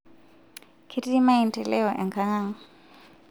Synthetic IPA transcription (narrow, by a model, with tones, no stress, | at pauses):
kʰi˦ti˦i˦ma˦i˨ntʼɛ˨lɛ˦ɔ˨ʔɛ˨ŋkʰa˦ŋaː˦ŋ